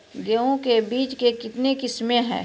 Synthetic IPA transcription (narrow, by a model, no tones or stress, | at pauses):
ɡeõkebiːt͡ʃkekɪt̪nekɪsmẽɦɛ̰̃ː